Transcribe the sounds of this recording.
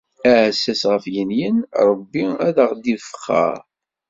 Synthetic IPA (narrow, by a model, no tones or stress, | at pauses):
æhsːæsʁəfjənjənɾˤəbːiæðəʁd̪ifə̥χːə̰ɾ